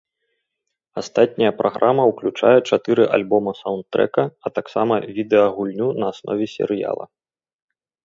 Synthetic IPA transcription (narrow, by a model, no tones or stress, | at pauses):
ast̪at̪̚ʲnʲɐjɐpɾʔaɣɾʔamɐuklʲut͡ʂa̰jɛt͡ʂat̪ɨɾɨʔa̰lʲbɔmɐsawnt̪t̪ːɾɛ̰kɐɐt̪aksamɐvʲid̪ɛɐɣulʲnʲunɐːsnʔɔ̰vʲɛsʲɛ̰ɾɨja̰lˠɐ̰